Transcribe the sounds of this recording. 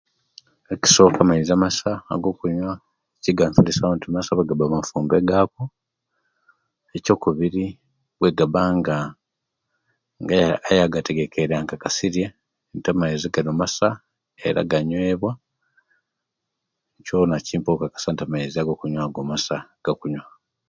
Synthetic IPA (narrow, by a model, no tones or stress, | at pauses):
eci̥so̞kamaizamasa̰ːɡo̞ːkuɲwa | eciɡaɱfulisaβantumasaβweɡabamafuːmbeɡako | eco̞ːkuβiɾi | βwe̞ɡabaŋɡa | ŋɡaːjaɡate̞ɡe̞keɾaŋkakasiɾje | ntamajiziɡanomasa | e̞̰ɾa̰ɡaɲwe̞ːβwa | conaciːmpokakḁsantamaiziaɡo̞ːkuɲwaːɡomasaɡ̥akuɲwa